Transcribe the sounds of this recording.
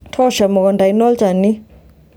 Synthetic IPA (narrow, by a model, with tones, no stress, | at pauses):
tʰɔ˦ʃa˨mɔ˨ɣɔ˨nda˨inɔ˦lt͡ʃa˨ni˦